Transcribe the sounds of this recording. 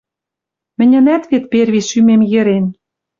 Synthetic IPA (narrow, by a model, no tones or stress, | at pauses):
mɘ̆nʲɘ̆næt̪βet̪̚perβiʃymemjɘ̆ɾen